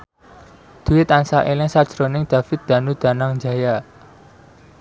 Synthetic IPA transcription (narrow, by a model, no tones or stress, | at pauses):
d̪̥ṳwet̪ansaʔelɪŋsad̥ʒ̥ɾonɪŋd̪̥a̤fɪt̪̚d̪̥a̤nud̪̥a̤naŋnd͡ʒaja